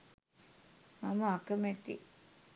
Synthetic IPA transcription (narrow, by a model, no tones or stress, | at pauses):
mamɐakəmet̪ḭ